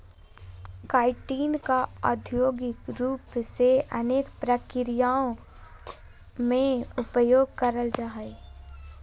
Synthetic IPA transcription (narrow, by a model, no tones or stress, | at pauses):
kaːɪʈiːnkaə̰d̪ʱjoːɡɪkɾuːpseʔəneːkpɾəkɪɾɪjaːõ | mẽʊpəjoːɡ̚kəɾəld͡ʒaːɦe